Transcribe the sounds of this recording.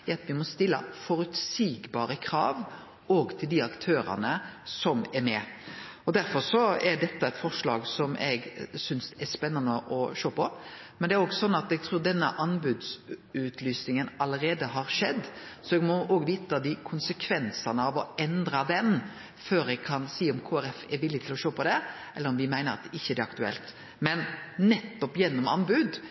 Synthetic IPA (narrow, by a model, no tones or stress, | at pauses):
ɛɑt̪ʋɪmɔst̪ɪlːə̰fɔɾʉt̪siːɡbɑːɾəkʰɾɑ̰ːʋ | ɔːɡt̪ʰɪld̪ɪɑkt̪ʰøːɾə̰nəsɔmɛɾmɛɔd̪æɾfɔɾʂɔɛd̪ɛt̪ːɑɛt̪fɔʁʂlɑ̰ːɡsɔmʔɛ̰ɡsʏnsɛspɛnːɑnəʔɔʃøːpʰɔ | mɛnd̪ɛæɾɔɡsɔnːɑt̪ɛɡ̚t̪ʰɾuːɾd̪ɛnːə̰ʔɑnbʉd̪sʉːt̪ʰlyːsnɪŋənɑləɾeːd̪əɦɑɾʂɛd̪ːsɔɛɡmɔʔoːɡʋiːt̪əd̪ɪkʰʊnsəkʰʋɛnsɑnəɑʋɔɛnd̪ɾɑd̪ɛn | føːɾɛɡ̚kʰɑnsiːɔmkʰoːæɾɛfɛɾʋɪlːɪt̪ʰɪlɔʃoːpʰɔd̪ɛ | ʔɛlːəɾɔmʋɪmæɪnəɾɑ̰t̪ɪçːəd̪ɛɑkt̪ʉɛ̰lt̪ | mɛnnɛt̪ːɔpjɛnːɔmɑ̰nbʉd̪